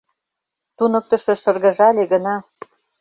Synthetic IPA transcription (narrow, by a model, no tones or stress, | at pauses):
t̪unɤ̆k̚t̪ɤ̆ʃĕʃɤ̆rɣə̆ʒɑlʲeɣə̆nɑ